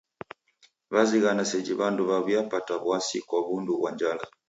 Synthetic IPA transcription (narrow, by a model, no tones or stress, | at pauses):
βaziɣanasɛd͡ʒiβanduβaβijapataβuasikwaβunduβwaɲd͡ʒala